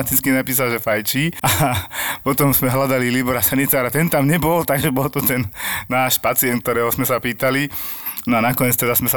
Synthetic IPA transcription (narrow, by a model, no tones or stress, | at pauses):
at̪it͡skinapiːsalʒɛfajt͡ʃiapɔt̪ɔmzmɛɦlad̪alilibɔɾasanit͡saːɾat̪ɛnt̪amɲɛbɔlt̪aɡʒɛbɔlt̪ɔt̪ɛnːaːʃpat͡siɛnk̚t̪ɔɾɛːɦɔzmɛsapiːt̪alinɔanakɔɲɛt͡st̪ɛd̪asmɛsa